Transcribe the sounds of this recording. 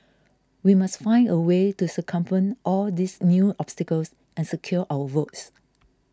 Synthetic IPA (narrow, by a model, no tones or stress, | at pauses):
wimasfãɪ̃ndəwetusəkʰʌ̃mpə̃nʔɔldisnjuʔɔbstɛkəls | ɛ̃nsəkʰjɔʔawəvots